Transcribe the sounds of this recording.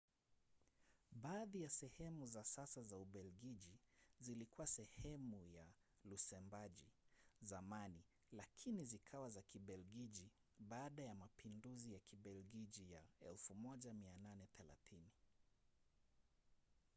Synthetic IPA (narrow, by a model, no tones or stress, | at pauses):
ɓaːðijasɛhɛmuzasasazauɓɛlɡiʄizilikuwasɛhɛmuja | lusɛmbaʄizamani | lakʰinizikʰawazakiɓɛlɡiʄi | ɓaːɗajamapinduzijakʰiɓɛlɡid͡ʒijaɛlfumɔʄamiananɛθɛla̰θini